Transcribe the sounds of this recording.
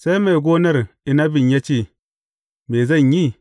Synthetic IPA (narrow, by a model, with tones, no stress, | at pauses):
sa˦jma˨jɡoː˦nɐ˦ɾ | i˨na˦bi˨ɲja˦t͡ʃi˦ | me˨zɐ˦˨ɲji˦